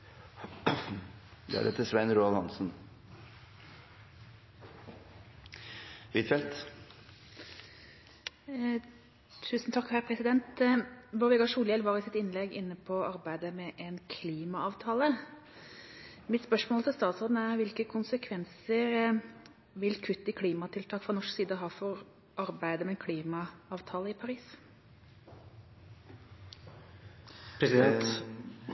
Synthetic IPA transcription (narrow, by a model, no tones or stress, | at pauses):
d̪̰æ̰ɾɛ̰t̪ʰːɪsʋɛnɾuːɑlhɑ̰nsn̩ | ʋiːt̪fɛlt̪ | t̪ʰʉːsn̩t̪ʰɑkːhæɾpʰɾɛsɪd̪ɛnt̪bɔʋɛɡɑʂuːljɛlʋɑːɾɪsɪt̪ɪnlɛɡɪnːəpʰɔɑɾbæɪd̪əmɛʔɛnkʰliːmɑɑːʋt̪ʰɑːlə | mɪt̪spœʂmoːlt̪ʰɪlst̪ɑːt̪sɔɾd̪n̩æɾʋɪlkəkʰʊnsəkʰʋɛnsəɾ | ʋɪlkʰʉt̪ːəkʰliːmɑt̪ʰɪlt̪ʰɑːkfɾɑnɔʂksiːd̪əɔɦɑːfɔɾ | ʔɑɾbæɪd̪əmɛnkʰliːmɑɑːʋt̪ʰɑːləɪpʰɑɾiːs | pɛ